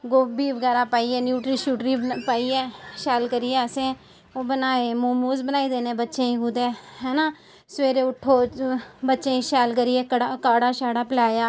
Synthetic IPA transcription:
ɡoːbiːʋəɡɛːɾaːpaːiːɛːnjuːʈɾiːʃuːʈɾiːpaːiːɛːʃɛːlkəɾiɛːəsẽː | oːbənaːeːmoːmuːzbənaːiːd̪eːneːbətːʃẽĩɦʊd̪eːɦɛːnaː | sʋeːɾeːʊʈʰːoːbətːʃeːiːʃɛːlkəɾiɛːkəɽakaːɽaːʃaːɽaːpɪlaːjaː

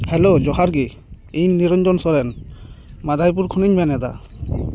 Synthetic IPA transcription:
hɛlod͡ʒɔhaɾɡi | ijniɾɔɲd͡ʒɔnsɔɾɛn | mad̪ʱajp̬uɾkʰuniɲbanɛd̪a̰

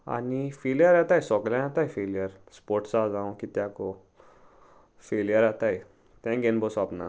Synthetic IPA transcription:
a̰nifelijəɾat̪ajsɔklãat̪aefelijəɾspoɾʈsad͡zãw̃kit̪jako | feljəɾat̪aj | t̪jãɡenbosapna̰

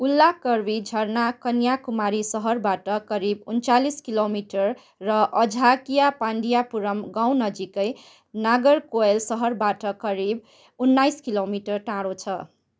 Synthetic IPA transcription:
ulːakʌrbid͡zʱʌrnakʌnjakumaɾisʌɦʌrbaʈʌkʌɾibunt͡saliskilomiʈʌrː | ʌʔʌd͡zʱakijapaɳɖijapuɾʌmɡaw̃nʌd͡zikʌj | naɡʌrkoelsʌɦʌrbaʈʌkʌɾib̚ | unːajskilomiʈʌrʈãɽot͡sʰʌ

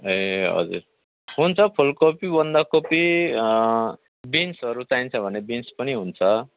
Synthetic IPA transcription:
eɦʌ̰d͡zṵɾ | ɦunt͡sʰʌpʰulkopibʌnd̪akopi | binsʌɾut͡saint͡sʰʌbʱʌnebinspʌniɦunt͡sʰʌ

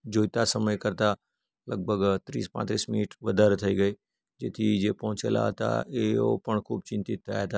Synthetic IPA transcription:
d͡ʒoːjt̪asəməjkɐɾt̪a | ləɡ̚bʱəɡt̪ɾiːspã̰ːt̪ɾiːsmɪnəʈʋɐd̪aɾət̪ʰɐiɡɐi | d͡ʒeːt̪ʰid͡ʒeːpɐɦʊ̃t͡ʃḛla̰t̪a̰eo̰pəɳkʰuːb̚t͡ʃɪ̃nt̪it̪ːa̰jat̪ʰaː

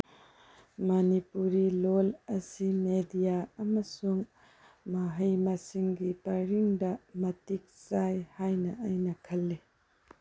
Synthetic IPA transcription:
mɐnipuɾilolɐsimedijaɐmɐsuŋ | mɐɦɐjmasiŋɡipɐɾiŋdɐmɐtik̚sajhajnɐʔajnɐkʰɐlːi

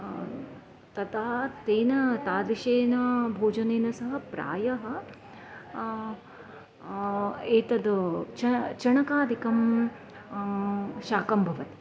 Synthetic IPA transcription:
t̪ɐt̪aːt̪eːnɐt̪aːliʃeːnɐbʱoːd͡ʒɐneːnɐsɐɦɐ̆pɾa̰ːjɐɦɐ̆ | eːt̪ɐd̪ɐt͡ʃɐt͡ʃɐɳɐkaːd̪ʱikɐm | ʃaːkɐmbʱɐʋɐt̪i̥

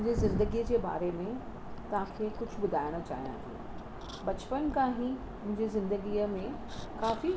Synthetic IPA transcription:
ɲd͡ʑezɪ̃nd̪əɡiːəd͡ʑeːba̰ːɾemẽ | t̪ɐʋ̤ãkʰeːkʊd͡ʑʱʊbʊd̪ʱaːɪɽ̃ət͡ɕa̰ːɦijã̰ːt̪ʰḭː | bɐt͡ɕpənkãːɦĩ | mʊ̃ɦɪ̃ɲd͡ʑezɪ̃nd̪əɡiːəmẽ | kaːfi

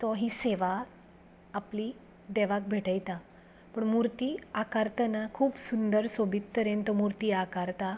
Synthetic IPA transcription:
t̪ɔɦiseʋa | apli | d̪eʋak̚bʱeʈəjt̪a | pəɳmuɾt̪iːakaɾt̪ənakʰuːpsund̪əɾsobʱit̪ːəɾent̪ɔmuɾt̪iːakaɾt̪a

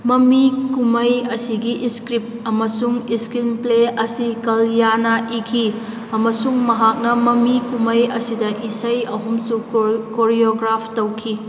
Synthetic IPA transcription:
mɐmikumɐjɐsiɡiʔiskɾip̚ɐmɐsuŋiskɾinpleɐsikɐljanɐʔikʰi | ɐmɐsuŋmɐɦak̚nɐmɐmikumɐjɐsidɐʔisɐjɐɦumsukoɾioɡɾapʰtowkʰi

